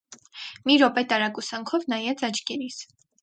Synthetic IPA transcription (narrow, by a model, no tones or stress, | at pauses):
miɾɔpɛt̪ɑɾɑkusɑŋkʰɔvnɑjɛt͡sɑt͡ʃɡɛɾis